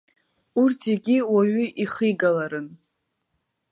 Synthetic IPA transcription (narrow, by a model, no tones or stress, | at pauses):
urtʰiɡʲiwaɥʏʔiχiɡalaɾɨn